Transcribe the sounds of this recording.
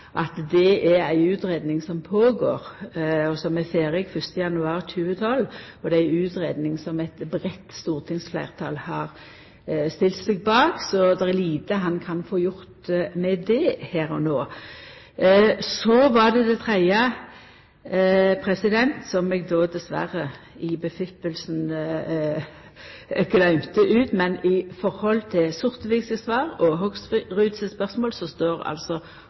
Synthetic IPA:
ʔɑt̪d̪ɛʔæɾæɪʉːt̪ɾeːd̪nɪŋsɔmpʰoːɡoːɾɔsɔmːɛfeːɾɪɡfœst̪əjɑnʉɑːɾtʉːət̪ʰɔlɔd̪ɛæɪʉːt̪ɾeːd̪nɪŋsɔmæt̪bɾɛt̪ːst̪uːʁt̪ʰɪŋsflæ̰ɪʁt̪ʰɑ̰lhɑːɾ | st̪ɪlt̪sɛɡ̚bɑːksɔd̪ɛɛliːt̪əɦɑnkʰɑnfoːjʊɾt̪mɛd̪ɛhæːɾɔnoː | sɔʋɑɖ̪ɛd̪ɛt̪ʰɾæɪɑ | pʰɾɛsɪd̪ɛnt̪sɔmɛɡd̪oːd̪ɛsʋæ̰ɾəɪbəfɪpːəlsn | ɡlœʏmt̪əʔʉːt̪mɛnɪfɔɾhɔlt̪ʰɪlsʊʁt̪ʋɪɡsəsʋɑːʁɔɦɔɡsɾʉːd̪səspœʁsmoːlsɔst̪oːɾɑ̰lsɔ

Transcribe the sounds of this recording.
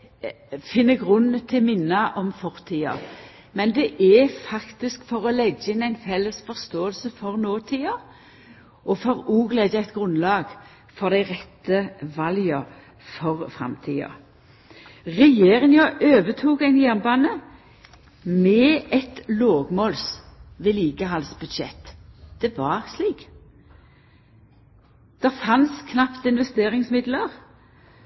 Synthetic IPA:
fɪnːəɡʁʉnːt̪ʰɪmɪnːɑʔɔmfɔʁt̪ʰiːɑ̰ | mɛnd̪ɛʔɛfɑkt̪ɪskfɔʁɔlɛɡːɪnæɪnfɛlːəsfɔʁst̪oːəlsəfɔʁnoːt̪ʰiːɑ | ʔɔfɔʁuːɡledəæɪt̪ɡʁʉnlɑːɡ | fɔʁd̪æɪʁɛt̪ːəʋɑljɑ | fɔʁfʁɑ̰mt̪ʰḭːɑ̰ | ʁɛjeːʁɪŋjɑʔøːʋət̪ʰuːkæɪnjæʁnbɑːnə | mɛːɛt̪loːɡmoːlsʋɛːliːɡəɦɑlsbʉd̪ʃɛt̪ːd̪̥ɛʋɑʁsliːk | d̪̥ɛʁfɑnskʰnɑpt̪ɪnʋɛst̪eːʁɪŋsmɪd̪ləʁ

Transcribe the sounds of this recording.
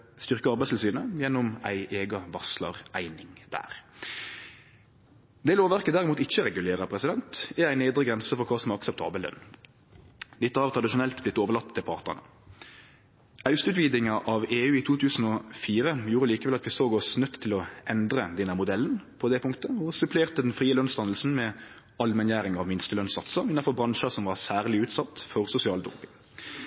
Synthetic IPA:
st̪ʏʁkəɑɾʁbæɪst̪ʰɪsyːnəjɛnːʊmæ̰ɪʔeːɡɑʋɑslə̰ʁæɪnɪŋd̪̥æ̰ːʁ | d̪ɛːloːʋæʁkəd̪æʁɪmuːt̪ɪçːəɾɛɡʉleːɾəpʰɾɛsɪd̪ɛnt̪ɛæɪnæɪd̪ɾəɡʁɛnsəfɔʁkʰɑːsɔmɛɑksəpt̪ʰɑ̰ːbəld̪œ̰nː | d̪ɪt̪ːəɑʁt̪ʰʁɑd̪ɪʃʊnɛlt̪blɪt̪ːoːʋəʁlɑt̪ːt̪ʰːɪlpʰɑʁt̪nə̰nə̰ | ɑʉsʉːt̪ʋiːd̪ɪŋɑʔɑʋeːʉːɪt̪ʰuːt̪ʰʉːsn̩ɔfiːɾəjuːɾəliːkəʋɛlɑt̪ʋɪsoːɡɔsnœt̪ʰːɪlɔɛnd̪ʁəd̪ɛnːəmʊd̪ɛlːnpʰɔd̪ɛpʰʊŋkt̪əɔsʉpʰleːʁt̪əd̪ɛnfʁiːəlœnst̪ɑnəlsn̩mɛ | ɑlmɛnjæːɾɪŋɑʋmɪnst̪əlœnsɑt̪səɪnːɑfɔbʁɑŋʃɑsɔmʋɑʁsæːʁlɪʉːt̪sɑt̪ːfɔʁsʊsɪɑːld̪ʊ̰mpɪŋ

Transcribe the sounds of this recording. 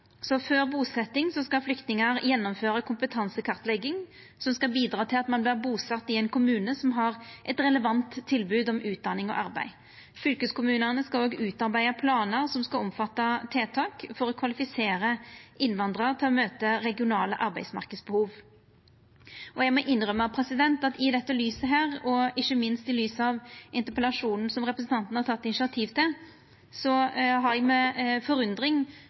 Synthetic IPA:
sɔføːʁbuːsɛt̪ːɪŋsɔskɑflʏkt̪nɪŋəɾjɛnːɔmføːɾəkʰʊmpət̪ʰɑnsəkʰɑʁt̪lɛɡːɪŋ | sɔmskɑbiːd̪ʁɑːt̪ʰɪlɑt̪mɑnblɪʁbuːsɑt̪ːɪɛɪnkʰʊmʉːnəsɔmɦɑʁʔɛt̪ʁɛləʋɑnt̪ʰːɪlbʉːd̪ɔmʉːt̪̚d̪ɑnɪŋɔ̰ʔɑʁbæ̰ɪ | fʏlkəskʊmʉːnəʁnəskɑloːɡʉːt̪ɑɾbæɪɑpʰlɑːnəʁsɔmskɑɔmfɑt̪ːɑt̪ʰeːt̪ʰɑːkfɔɾɔkʰʋɑlɪfɪseːɾəʔɪnʋɑnd̪ʁɑt̪ʰɪlɔmøːt̪əɾɛɡɪʊnɑːləʔɑɾbæɪsmɑ̰ʁkəd̪sbəhuːʋ | ɔjæɡmɔʔɪnːɾœmːɑpʰɾɛsɪd̪ɛnt̪ɑt̪ɪd̪ɛt̪ːəlyːsəɦæːʁɔɪçːəmɪnst̪ɪlyːsəɑʋɪnt̪əpəlɑʂuːnn̩sɔmʁɛpɾəsn̩t̪ɑnt̪n̩hɑɾtʰɑt̪ːɪnɪʂɪɑt̪ʰiːʋt̪ʰɪl | sɔɦɑɾɛɡmɛfɔɾʉnd̪ɾɪŋ

